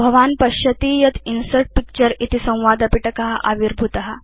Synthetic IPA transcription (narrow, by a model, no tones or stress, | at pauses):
bʱəʋanpɐɕət̪ijɐt̪ʰinsəɾʈ̚pik̚t͡ɕəɾit̪isɐ̃w̃ʋad̪ɐpiʈəkaɦaʔaʋiɾbʱut̪aɦa